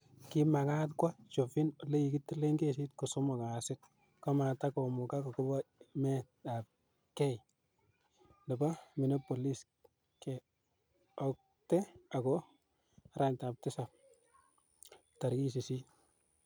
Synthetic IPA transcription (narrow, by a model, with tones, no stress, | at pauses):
kɪ˦ma˨ka˦t̬kwa˦t͡ʃo˨fɪ˦nɔ˨le˦i˨kɪ˦tːɪ˦le˦ŋɡe˦si˦tko˨so˦mɔ˨ka˨sɪ˦t̚ | ka˦ma˨ta˦ko˨mʊ˨ka˦kɔ˨kʊ˦ba˦mɛ˦ta˨p̚ | kɛ˦j | nɪ˨ba˦mɪ˨no˦po˨li˦s | kɛ˨ | ɔ˨k̚ | tɛ˦a˨kɔ˦ | ɾa˦ɲta˨p̚tɪ˦sa˨p̚ | ta˨ɾki˦sɪ˨si˦